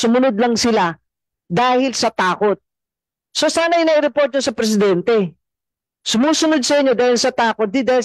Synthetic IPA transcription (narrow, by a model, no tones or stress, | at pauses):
sʊmʊnod̪̚lɐŋsɪla | d̪aːhɪlsɐt̪aːko̞t̪̚ | so̞saːnɐjnɐʔɪɾɛpo̞ɾt̪̚ɲosɐpɾɛs̬ɪd̪ɛnt̪ɛ | sʊmuːsʊnod̪̚sɐʔɪɲːo̞d̪aːhɪlsɐt̪aːkot̪̚d̪id̪aːhɪl